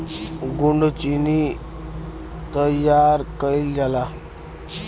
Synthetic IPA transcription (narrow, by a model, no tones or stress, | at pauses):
ɡuɳɖt͡ɕini | t̪əjaɾkəild͡zala